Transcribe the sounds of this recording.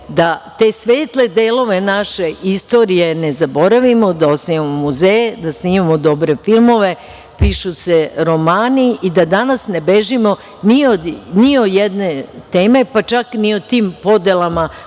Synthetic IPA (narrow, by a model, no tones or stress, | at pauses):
d̪at̪e̞ːsʋeːt̪led̪eːlo̞ʋe̞naʃe̞ist̪o̞ːɾije̞nezabo̞ɾaʋimod̪aosnimamomuzejd̪asniːmamod̪o̞bɾe̞filˠmo̞ʋe̞ | piʃuseɾo̞maːniid̪ad̪anasne̞beʒimo̞ | nioniojed̪net̪eːme̞pat͡ʃakniot̪iːmpo̞d̪elama